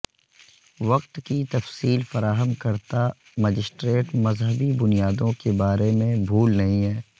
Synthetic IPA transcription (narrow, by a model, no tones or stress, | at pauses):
ʋɐqt̪kit̪ɐfsiːlfɐɾaːɦəmkɐɾt̪a | məd͡ʒɪsʈɾeːʈmɐzɦəbibʊnijaːd̪õkebaːɾemẽbʱuːlnɐɦĩɦɛː